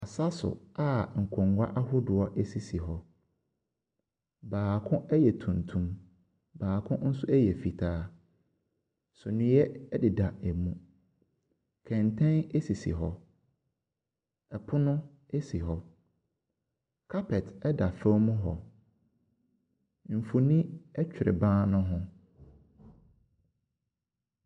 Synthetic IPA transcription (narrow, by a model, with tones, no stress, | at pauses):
a˨sa˦sʊ̰˨a˦ŋ̩˨kʰɔ̃˨ŋɡa̰˦ʔa˦hʊ˦dʊ˨ɔ˦ʔɛ˦si˨si˨ɦɔ˦ | baː˨kʰʊ̃˦ʔɛ˦jɛ˨tʰũ˨ntʰũ˦m | baː˨kʰʊ̃˦n̩˦sʊ˦ɛ˦jɛ˨fi˨tʰaː˦ | sʊ˨nʊ̃˨˦jɛ˦dɪ˨da˨ɛ˨mũ˦ | kʰɛ̃˨ntʰɛ̃˦ne˦si˨sḭ˨ɦɔ˦ | ɛ˨pʰʊ˦nʊ̃˦ | e˦si˨ɦɔ˨ | kʰa˦pʰɛ˨tʰɛ˦da˨fɛ˦mũ˦ɦɔ˨ | m̩˨fu˨nĩ˦ɛ˦t͡ɕᶣɪ˨ɾɪ̰˨bãː˦nʊ̃˦ɦʊ̃˦